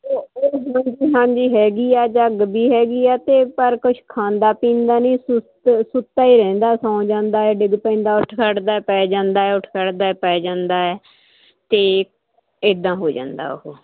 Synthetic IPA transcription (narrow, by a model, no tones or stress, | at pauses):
oːoːɦãːɲd͡ʒiːɦãːɲd͡ʒiːɦɛːɡiːaːd͡ʒəɡbiːɦɛːɡiːɛːt̪eːpəɾkʊt͡ʃʰkʰãːnd̪aːpĩːnd̪aːnĩːsʊt̪sʊt̪ːaːiːɾɛ̃ːnd̪aːsãːd͡ʒãːnd̪aːɛːɖɪɡpɛ̃ːnd̪aːʊʈʰkəɽd̪aːɛːpɛːd͡ʒãːnd̪aːɛːʊʈʰkəɽd̪aːɛːpɛːd͡ʒãːnd̪aːɛː | t̪eː | ɪd̪ãːɦoːd͡ʒã̰ːnd̪a̰ːʊɦoː